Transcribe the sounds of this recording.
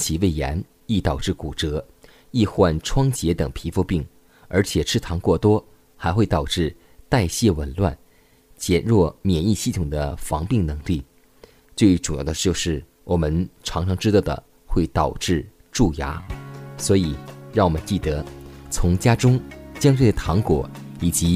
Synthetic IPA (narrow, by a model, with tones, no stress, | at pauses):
t͡ɕʰi˧˥we˥˩ɪjɛ̰˧˥n | i˥˩t̪ɑ˨˩ʊʈ͡ʂɻ̩˥˩ku˨˩ʈ͡ʂɤ˧˥ | i˥˧xwa˥˩nʈ͡ʂʰwɑ˥ŋt͡ɕjɛ˧˥t̪ɤ˨˩ŋpʰi˧˥fu˥˧pi˥˩ŋ | ə˞˧˥t͡ɕʰjɛ˨˩ʈ͡ʂʰɻ̩˥˩t̪ʰɑ˧˥ŋkwɔ˥˩t̪wɔ˥ | xa˧˥ɪxwe˥˩ɪt̪ɑ˨˩ʊʈ͡ʂɻ̩˥˧ | t̪a˥˧ɪɕjɛ˥˩wə˧˥nlwa̰˥˩n | t͡ɕjɛ˨˩nɻwɔ˥˩mjɛ˨˩ni˥˧ɕi˥˩t̪ʰʊ˨˩ŋd̪ə˦fɑ˧˥ŋpi˥˩ŋnɤ˧˥ŋli˥˩ | t͡swe˥˩ɪʈ͡ʂu˨˩jɑ˥˩ʊd̪ə˩t͡ɕjo˥˧ʊʂɻ̩˥˩ | wʔɔ˨˩mə˦nʈ͡ʂʰɑ˧˥ŋʈ͡ʂʰɑ˧˥ŋʈ͡ʂɻ̩˥ɑ˥˩d̪ə̰˩ | xwe˥˩ɪt̪ɑ˨˩ʊʈ͡ʂɻ̩˥˧ | ʈ͡ʂu˥˩ja̰˧˥swɔ˧˥i˨˩˦ɻɑ˥˩ŋwɔ˨˩mə˦nt͡ɕi˥˩t̪ɤ˧˩˦t͡sʰʊ˧˥ŋt͡ɕja˥ʈ͡ʂʊ˥ŋt͡ɕjɑ˥ŋt̪̬we˥˩ə˩t̪ʰɑ˧˥ŋkwɔ˨˩˦ | i˨˩t͡ɕi˧˥